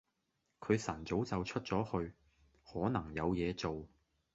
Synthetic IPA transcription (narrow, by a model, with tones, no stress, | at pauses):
kʰɵ˨˧ɥsɐ˨˩nt͡so˨˥wt͡sɐ˨wt͡ʃʰɵ˥t̚t͡sɔː˨˥hɵ˧ɥ | hɔː˨˥nɐ˨˩ŋjɐ˨˧wjɛː˨˧t͡so˨w